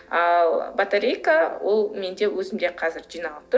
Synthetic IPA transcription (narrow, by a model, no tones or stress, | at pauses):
ɑlˠbat̪aɾʲejkawo̞lˠme̞nd̪e̞wɵzɪmd̪e̞qʰɑzɪɾʒijnɑlˠəp̚t̪ʊ